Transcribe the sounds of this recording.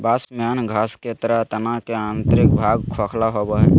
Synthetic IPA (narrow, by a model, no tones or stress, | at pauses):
basmjanɡʱasket̪əɾat̪ənakeant̪ɾɪk̚bʱaɡ̚kʰɔkʰlaɦobəɦɛ